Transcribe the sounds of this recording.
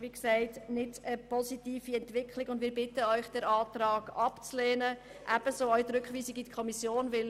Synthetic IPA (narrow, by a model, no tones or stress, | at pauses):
ʋiːksɛɪtnɪdəpɔsitiːfiɛntʋɪkʰlɪɡʊndmɪːɾbɪtːəœʏχd̥ɛɾɑːt̪ɾɑːɡ̥ɑpt͡sleːnə | ʔæb̥əsoːœʏt̪ɾʏkχʋiːsɪɡitkʰɔmisjoːnʋɪl